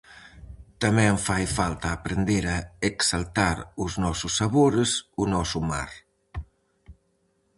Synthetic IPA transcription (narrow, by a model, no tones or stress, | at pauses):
t̪amɛəɱfajfalˠt̪aːpɾend̪eɾaeksalˠt̪aɾuznɔsusːaβoɾesunɔsuma̰ɾ